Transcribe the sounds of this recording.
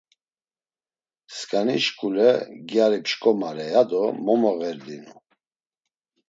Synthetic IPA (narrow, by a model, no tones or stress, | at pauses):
skʼaniʃkʼulɛɡjaɾipʃkʼɔmaɾɛjad̪ɔmɔmɔɣɛɾd̪inu